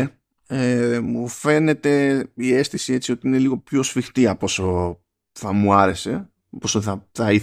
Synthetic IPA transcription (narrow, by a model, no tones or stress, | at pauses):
emufe̞ne̞t̪e̞ie̞st̪isie̞t͡sio̞t̪iine̞liɣo̞pço̞sfixt̪iɐpo̞so | θɐmuɐɾe̞se̞ | posoθɐθɐiθ